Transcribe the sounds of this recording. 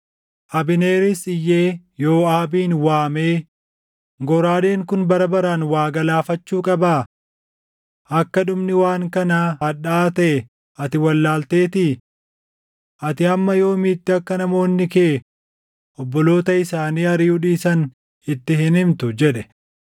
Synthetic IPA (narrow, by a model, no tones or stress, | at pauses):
ʔɐbɪneːɾɪsɪjːeː | jo̞ːaːbiːnwaːmeː | ɡɔɾaːle̞ːŋkʊnbɐɾɐbɐɾanwaːɡɐlaːfɐt͡ʃːuːkʼɐbaː | ʔɐkːɐᶑʊmnɪwaːŋkɐnahɐᶑaːt̪ɐʔɛ | ʔɐt̪ɪwɐlːaːlt̪e̞ːt̪i | ʔɐt̪ɪɐmːɐjo̞ːmiːt̪ːɪɐkːɐnɐmo̞ːnːɪkeː | ʔɔbːɔlo̞ːt̪ɐɪsaːniːɐɾɪʊᶑiːsɐn | ɪt̪ːɪɦɪnɪmt̪ʊd͡ʒɛᶑɛ